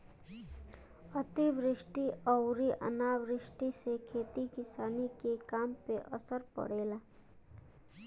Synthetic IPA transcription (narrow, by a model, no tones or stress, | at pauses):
ɐt̪iʋɾɪʃʈiɐʊɾiʔə̰naːʋɾɪʃʈisekʰeːt̪ikɪsaːnikekaːmpeʔəsəɾpə̰ɽ̤eːlaː